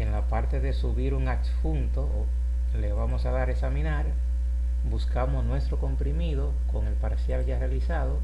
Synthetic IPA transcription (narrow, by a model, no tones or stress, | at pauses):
eŋlapaɾt̪e̞ðe̞suβiɾuŋaksfunt̪o | le̞βamo̞saðaɾesamĩnaɾ | buskamosnwe̞st̪ɾo̞ko̞mpɾimiðo̞ko̞ŋe̞lpaɾsjalʝarealisaðo